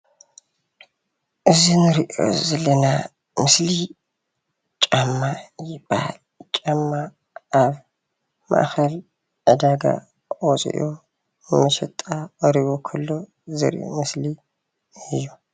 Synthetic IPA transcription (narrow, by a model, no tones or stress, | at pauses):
ʔɨzinɨɾiʔo̰zɐlɐna | mɨsli | t͡ʃʼamːajɪb̥aha̰l | t͡ʃʼamːa | ʔːβ | ma̰ʔxɐl | ʕɨd̪aɡa̰ | wɔt͡sʼḭʔo | mɐʃɐt̪ʼaɐɾiβokʰɐlːo̞ | zɨ̰ɾʔo̰mɨsli | ɨjːu